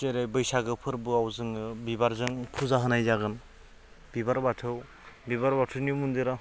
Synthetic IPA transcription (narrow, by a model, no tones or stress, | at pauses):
zeɾajbɯjsaɡɯpʰɯɾbɯawzɯŋɯbibaɾzɯŋpʰuzaɦɯnajzaɡɯn | bibaɾbatʰɯw | bibaɾbatʰɯwnimund̪iɾa